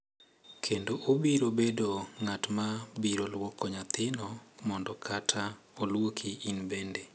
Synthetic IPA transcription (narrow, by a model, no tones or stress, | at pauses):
kʰendoʔobiɾobedoŋatmabiɾolwɔkɔɲat̪ɪnɔmɔndɔkʰatʰa | olwokʰiːnbende